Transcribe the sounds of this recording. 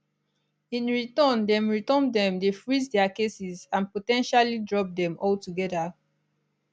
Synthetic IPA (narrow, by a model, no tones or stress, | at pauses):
ĩnɹitɔ̃ndɛ̃mɹitɔ̃ndɛ̃mdefɹizdɛakesizãnpotɛ̃nʃalidɹɔp̚dɛ̃mɔltuɡɛda